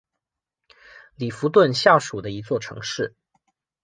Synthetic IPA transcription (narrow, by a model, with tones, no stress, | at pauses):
li˨˩fu˧˥t̪̬wə˥˧nɕjɑ˥˩ʊʂu˨˩d̪ə˦i˧˥t͡swɔ˥˩ʈ͡ʂʰɤ̰˧˥ŋʂɻ̩˥˩